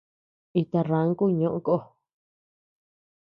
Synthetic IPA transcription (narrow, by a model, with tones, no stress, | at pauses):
i˧t̪a˧rã˨˦ŋ˦ku˦˧ɲõ˧ʔõ˧˦ko˦˨